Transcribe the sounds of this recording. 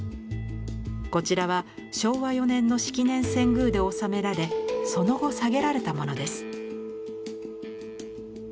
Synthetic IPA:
ko̞t͡ɕiɾaβa | ɕo̞ːβajo̞nẽ̞nːo̞ɕi̥kʲinẽ̞ɰ̃sẽ̞ŋɡɯ̟ːd̪e̞o̞same̞ɾaɾe̞so̞no̞ɡo̞saɡe̞ɾaɾe̞t̪amo̞no̞d̪e̞sɨ̥

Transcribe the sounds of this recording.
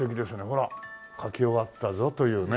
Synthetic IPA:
e̞kʲid̪e̞sɨne̞ɦo̞ɾa | kʰakʲio̞βat̪ːazo̞t̪o̞jɯ̟ːn

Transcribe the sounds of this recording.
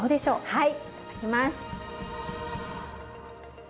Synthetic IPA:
oːd̪e̞ɕo̞ːhai | akʲimasɨ̥

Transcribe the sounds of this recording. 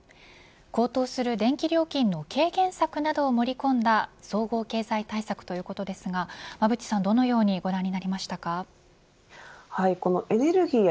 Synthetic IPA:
ko̞ːt̪o̞ːsɨɾɯ̟d̪ẽ̞ŋkʲiɾʲo̞ːkʲĩnːo̞kʰe̞ːɡẽ̞ɰ̃sakɯ̟nad̪o̞ːmo̞ɾʲikõ̞nd̪aso̞ːɡo̞ːke̞ːzait̪aisakɯ̟̥t̪o̞jɯ̟ːko̞t̪o̞d̪e̞sɨɡamabɯ̟t͡ɕi̥sãnd̪o̞no̞jo̞ːɲ̟iɡo̞ɾãɲ̟ːinaɾʲimaɕi̥t̪aka | haiko̞no̞ʔe̞ne̞ɾɯ̟ɡʲiːj

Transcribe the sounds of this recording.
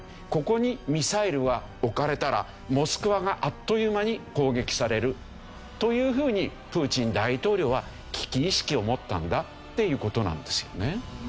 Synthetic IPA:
ko̞ko̞ɲ̟imʲisaiɾɯ̟ɡa | okaɾe̞t̪aɾa̰ | mo̞sɨ̥kɯ̟βaɡaʔat̪ːo̞jɯ̟maɲ̟iko̞ːɡe̞kʲi̥saɾe̞ɾɯ̟ | t̪o̞jɯ̟ːɸɯ̟ːɲ̟i | pɯ̟ːt͡ɕĩnd̪ait̪o̞ːɾʲo̞ːβa | kʲi̥kʲiːɕi̥kʲio̞mo̞t̪ːã̰nd̪a | t̪ːe̞jɯ̟ːko̞t̪o̞nã̰nd̪e̞sɨ̥jo̞ne̞

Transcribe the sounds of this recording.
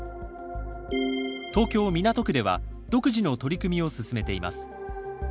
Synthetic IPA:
t̪o̞ːkʲo̞ːmʲinat̪o̞kɯ̟d̪e̞βa̰ | d̪̥o̞kɯ̟ʑino̞t̪o̞ɾʲikɯ̟mʲio̞sɨsɨme̞t̪e̞ima̰sɨ̥

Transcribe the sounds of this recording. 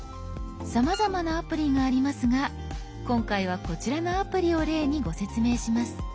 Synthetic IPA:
samazamanaːpɯ̟ɾʲiɡaːɾʲimasɨɡa | kõ̞ŋkaiβ̞ako̞t͡ɕiɾanoapɯ̟ɾʲio̞ɾe̞ːɲ̟iɡo̞se̞t͡sɨme̞ːɕimasɨ̥

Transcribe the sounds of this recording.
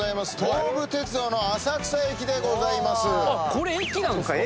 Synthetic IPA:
aimasɨ̥t̪oɾbɯ̟t̪e̞t͡sɨd̪o̞ːno̞asakɯ̟̥saekʲid̪e̞ɡo̞zaimasɨakoɾeekʲːinãn

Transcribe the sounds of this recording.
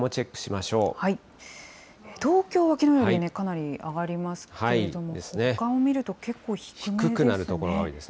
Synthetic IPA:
mo̞t͡ɕe̞kːɯ̥ɕimaɕo̞ːhai | et̪o̞ːkʲo̞ːβakʲino̞joːɾiine̞kanaɾʲiaɡaɾʲimasɨ̥haeɾied̪o̞mod̪e̞sɨnekãɰ̃omʲiɾɯ̟t̪o̞ke̞kːo̞ːçi̥kçɯmkɯ̟kɯ̟naɾɯ̟t̪o̞ko̞ɾoɡaoid̪e̞sɨ̥n

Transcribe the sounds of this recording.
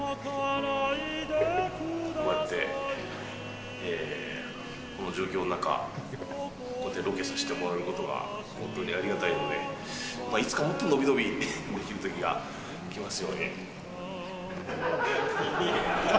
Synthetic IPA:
omaet̪ːe̞̰ | eː | ko̞no̞d͡ʑo̞ːkʲo̞ːnonaka̰ | kot̪ːeɾo̞ke̞saɕi̥t̪e̞mo̞ɾaɯ̟ko̞t̪o̞ɡa̰ | hõ̞nt̪o̞ːɲ̟iaɾʲiɡat̪aino̞d̪e̞̰ | mait͡sɨ̥kamot̪ːono̞bʲid̪o̞bʲid̪e̞kʲiɾɯ̟t̪o̞kʲiɡa̰ | kʲimasɨjo̞ːɲʲḭ | i

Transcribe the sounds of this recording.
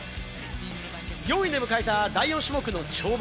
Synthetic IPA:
ɡʲo̞ːĩnd̪e̞mɯ̟kaet̪ad̪aiõɕimo̞kɯ̟no̞t͡ɕo̞ːb

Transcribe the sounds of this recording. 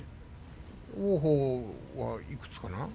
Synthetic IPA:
oːɦoːwɑ̰ikɯ̥t͡skana

